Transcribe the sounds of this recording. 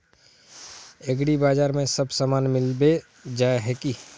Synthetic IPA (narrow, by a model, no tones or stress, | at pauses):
eɡɽibaːd͡ʒaːɾmẽsəbsamaːnmɪlbe | d͡ʒaːeɦɛki